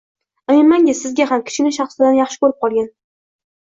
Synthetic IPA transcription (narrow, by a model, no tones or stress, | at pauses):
ɨɪnmaŋɡʲɪsɪzɡʲahamkʲʰɪ̥ʃɪnɪʃɑχsɪd̪anjɑχʃɪ̥kɵɾɪp̚qʰɒlˠɡʲan